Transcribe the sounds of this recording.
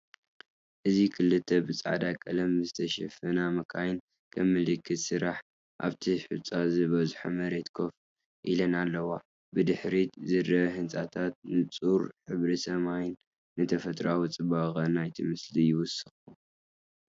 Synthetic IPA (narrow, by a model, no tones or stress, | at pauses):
ʔɨzikʰɨlːɨt̪ʰːɐbɨt͡sʼa̰ʕd̪akʼɐlɐmɨzɨt̪ʰɐʃɐfɐnamɐkʰajn | kʰɐmːɨlɨkʰːɨt̪sɨɾaħ | ʔa̰βt̪ʰiħɨ̰t͡sʼazɨβɐzħumɐɾet̪kʰo̞f | ʔilɐnalːɐwa | bɨd̪ɨħɾitzɨrɐhɨnt͡sʼat̪ʰat̪̚nɨt͡sʼuɾħɨβɾisɐmajnː | ɨt̪ʰɐfɐt̪ʼɾawit͡sʼɨbaɣʼɐnajt̪ʰimɨslijɪwʊsɨxʼu